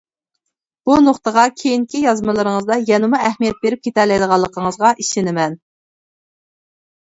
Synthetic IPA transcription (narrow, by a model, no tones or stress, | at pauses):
b̥unoχt̪ʰəʁɑkʲʰejiŋkʲijɑzmɨlˠɨɾəŋəzd̪ɑjɛnɪmuɛhmijɛt̪̚beɾɪp̚kʰʲet̪ʰɛɾlɛjd̪əʁɑlˠːəqʰəŋəzʁɑʔiʃɪnɪmɛn